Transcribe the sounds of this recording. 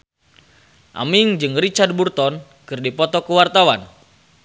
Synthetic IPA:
ʔa̰miŋd͡ʒɨŋrit͡ʃard̪̚burt̪ɔn | kɨrdipɔt̪ɔkəwart̪awan

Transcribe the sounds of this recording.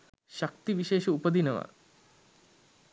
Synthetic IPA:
ʃak̚t̪iʋiʃeːʃəupəd̪inəʋa̰

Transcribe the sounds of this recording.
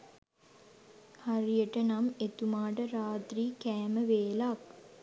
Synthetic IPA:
haɾijəʈənamet̪umaːʈəɾaːt̪riːkæːməʋeːlak̚

